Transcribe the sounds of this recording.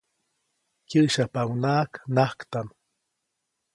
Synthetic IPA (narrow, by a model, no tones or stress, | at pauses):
kiʔʃapawnaːknahkt̪am